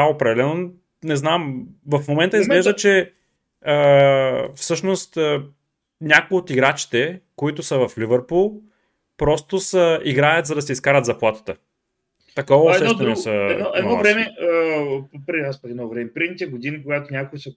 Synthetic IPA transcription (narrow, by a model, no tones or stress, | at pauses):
aopɾɛd̪ɛlɛno | nɛznamvɐfmomɛnt̪əizɡlɛʒdd̪ət͡ʃɛ | ə | fsɤʃnost̪ː | nʲakoiot̪iɡɾat͡ʃi̥t̪ɛkoit̪ʊsəvɐflivəɾpulˠ | pɾɔst̪ʊsəiɡɾajət̪zɐd̪ɐsɛiskaɾət̪zɐplˠat̪ə̥t̪ə | t̪ɐkɔvosɛʃɛnɛsəɛnɔɛɔvɾɛmɛəpɾɛaspakɛd̪nɔvɾɛmɛpɾinit̪ʲɛɡʊd̪inikoɡat̪onʲakʊisə